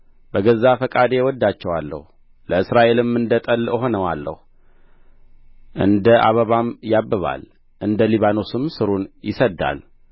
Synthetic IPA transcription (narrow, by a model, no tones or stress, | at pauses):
bəɡəzːafəkʼad̪ewɔd̪ːat͡ʃːɛwalːə̰hu | ləɨsɾaʔe̞lɨmːɨnd̪ət̪ʼəlɦo̞nəwalːə̰hu | ʔɨnd̪əʔa̰βəβamjabːəβa̰l | ʔɨnd̪əliβano̞sɨmsɨɾunjɪsəd̪ːa̰l